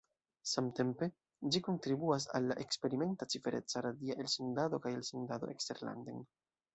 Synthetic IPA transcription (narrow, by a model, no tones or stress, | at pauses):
samte̞mpe̞ | d͡ʒiko̞ntɾibuas̬a̰lːaʔe̞kspe̞ɾime̞ntat͡sife̞ɾʔe̞̰t͡saɾadiaʔe̞lsondado̞kajelsondadoʔekste̞̰ɾla̰nden